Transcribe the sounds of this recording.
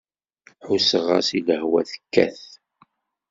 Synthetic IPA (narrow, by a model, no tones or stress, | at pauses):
ħusəʁa̰siləhwæθə̥kːæ̰θ